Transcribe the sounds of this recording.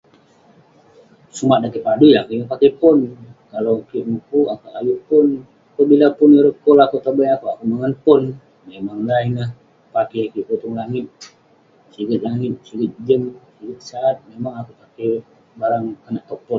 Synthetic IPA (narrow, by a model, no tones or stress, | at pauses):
sumadakipadulakiŋupakepʊnkalokiʔmukuakaʔajupʊn | akəbilapʊniɾəkɔlakot̪əbəjakuakumaŋənpʊn | memaŋlainəh | pakɛkiʔkut̪ʊŋlaŋɪt̪̚ | siɡət̪̚laŋɪt̪̚siɡət̪̚d͡ʒəmsiɡət̪̚saːt̪̚memaŋakupakɛ | baɾaŋanaʔ̚t̪ɔpɔ